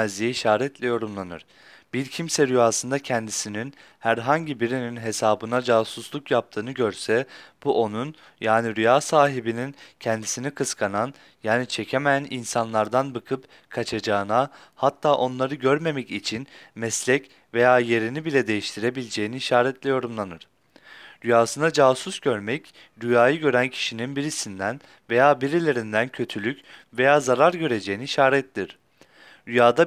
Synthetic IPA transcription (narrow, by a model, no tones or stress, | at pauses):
ɛzijiʃaːɾɛt̪ʰlʲɛjo̞ɾumlˠanɯ̰ɾ̥ | b̥iɾcʰimsɛɾyjaːsɯnd̪acʰɛnd̪isinin | hæɾɦaɲɟibiɾininɦe̞saːbɯnad͡ʒaːsuslˠukjap̚t̪ʰɯːnɯɟøɾsɛb̥uʔo̞nun | jaːniɾyjaːsaːɦibinincʰɛnd̪isinikʰɯskʰanan | jaːnit͡ʃʰe̞cʰemeæninsanlˠaɾd̪anbɯkʰɯp | kʰat͡ʃʰad͡ʒaːɯnahat̪ʰːaːʔo̞nlˠaɾɯɟøɾme̞mɛcit͡ʃʰinmɛslʲɛc | ve̞jaːje̞ɾinibilʲɛd̪e̞jiʃt̪ʰiɾebilʲd͡ʒe̞jiniiʃaːɾɛt̪ʰlʲejo̞ɾumlˠanɯɾ̥ | ɾyjaːsɯnad͡ʒaːsusɟø̞ɾmɛc | ɾyjaːjɯɟø̞ɾæncʰi̥ʃininbiɾisind̪æn | ve̞jaːbiɾilʲe̞ɾind̪æncʰø̞t̪ʰylʲycve̞jaːzaɾaɾɟø̞ɾe̞d͡ʒejiniiʃaːɾɛt̪lʲiɾ̥ | ɾyjaːd̪a